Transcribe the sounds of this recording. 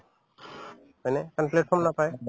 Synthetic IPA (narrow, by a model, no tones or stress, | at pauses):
majnet̪anpleʈfʰɔɾmnapae